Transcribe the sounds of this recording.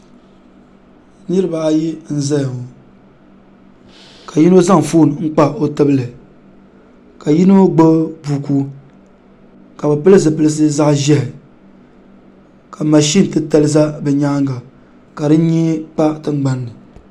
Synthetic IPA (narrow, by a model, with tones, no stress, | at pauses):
nɨ˦ɾɨ˦ba˨a˨ji˦n̩˦zɛ˦jo˨ | ka˨ji˦no˦za˦ŋ˨foː˦˨n˨ŋ̩˦k͡pa˦o˦tɨ˦bɨ˦lɨ˨ | ka˨ji˦no˦ɡ͡bo˦buː˨ku˦ | ka˨bɛ˨pɨ˦lɨ˦zɨ˨pɨ˦lɨ˦s̬ɨ˦za˦ʔʒɛ˦hɪ˨ | ka˨ma˨ʃi˦n˨tɨ˦tɛ˦lɨ˦za˦bɛ˨ɲaː˦ŋɡa˨ | ka˨dɨ˦n˦ɲɛ˦k͡pa˦tɨ˦ŋ͡mɡ͡ba˨˦nːɨ˨